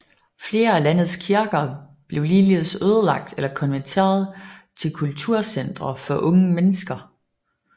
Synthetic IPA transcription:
fle̝ːɐælæn̰ð̞̩ˠskʰiɐɡ̥ɐ | b̥le̝ʊliːliðsøːð̞ˠəlɑ̈ɡ̥̚d̥elɐkʰɒ̽nʋæt͡sʰe̝̰ːɐð̞̩ˠt͡sʰe̝lkʰult͡sʰuɐ̰sen̰d̥ʁɐfɒ̽ʔɔ̽ŋəmenəsɡ̥ɐ

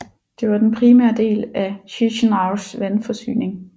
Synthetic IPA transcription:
d̥e̝ʋɑ̈d̥enpʰʁimæɐ̰d̥e̝̰ːlæɕiɕnɑ̈ʊsʋænfɒ̽sy̰ːne̝ŋ

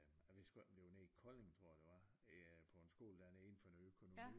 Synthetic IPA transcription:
æʋesɡ̥b̥le̝ʊnekʰɒ̽le̝ŋt͡sʰʁo̝ɐ̰d̥eʋɑ̈pʰɒ̽e̝nsɡ̥o̝̰ːld̥ænəe̝n̩fɒ̽enøkʰo̝noḭ

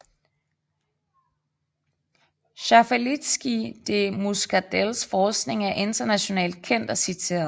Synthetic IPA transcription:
ɕɑfælid̥sɡ̥id̥e̝musɡ̥æd̥elsfɒːsɡ̥ne̝ŋæɐʔe̝nd̥ɐnæɕo̝nɛ̰ːld̥̚kʰen̰d̥ɒ̽sit͡sʰe̝̰ːɐðˠ

